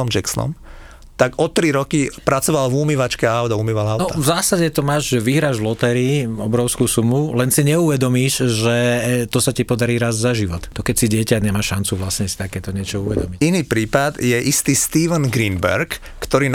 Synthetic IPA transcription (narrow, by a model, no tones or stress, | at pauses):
ɔmd͡ʒɛksnɔ̰m | t̪aɡɔt̪ɾiɾɔkipɾat͡sɔʋalvumiʋat͡ʃkɛaʊd̪aumiʋaaʊnɔavzaːsaɟɛt̪ɔmaːʒʒɛʋiɦɾaːʒvlɔt̪ɛɾiɔbɾɔʊskuːsumulɛnsiɲɛuʋɛd̪ɔmiːʃʒɛt̪ɔsacipɔd̪aɾiːɾazzaʒiʋɔt̪ːɔkɛcsiɟɪɛcaɲɛmaːʃːant͡suʋlasɲɛsi̥t̪akɛːt̪ɔɲɪɛt͡ʃɔuʋɛd̪ɔmiciniːpɾiːpad̪jɛʔist̪iːst̪iːʋənɡɾinbɛ̰ɾkː | t̪ɔɾiːn